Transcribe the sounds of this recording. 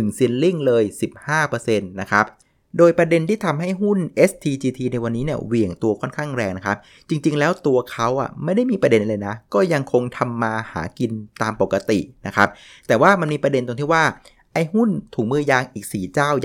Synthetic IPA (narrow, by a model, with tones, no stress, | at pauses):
nɯ˨˩ŋsi˧ənli˥˩ŋlɤː˧jsi˨˩p̚haː˥˩pɤː˧se˧nːa˦˥kʰɾa˦˥p̚ | doː˧jpɾa˧de˧nt̪ʰiː˥˩t̪ʰa˧mɦa˥˩jɦu˥˩nʔe˦˥st̪ʰiː˧t͡ɕiː˧t̪ʰiː˧na˧jwa˧nːiː˦˥ni˥˩ɐwi˨˩əŋt̪u˧ɐkʰɔ˥˩nkʰaː˥˩ŋɾɛː˧ŋna˦˥kʰa˦˥p̚ | t͡ɕi˧ŋt͡ɕi˧ŋlɛː˦˥wt̪u˧ɐkʰa˦˥wʔa̰˨˩ma˥˩jda˥˩jmiː˧pɾa˧de˧nlɤː˧jna˦˥kɔː˥˩ja˧ŋkʰo˧ŋt̪ʰa˧mːaː˧ha̰ː˩˦ki˧nt̪aː˧mpo˨˩kːa˧t̪ḭ˨˩ʔna˦˥kʰa˦˥p̚t̪ɛː˨˩waː˥˩ma˧nmiː˧pɾa˧de˧nt̪o˧ŋt̪ʰi˥˩waː˥˩ | ʔʔa˧jhu˥˩nt̪ʰuː˨˩˦ŋ̚mɯː˥˩jaː˧ŋʔiː˨˩k̚siː˨˩t͡ɕaː˥˩w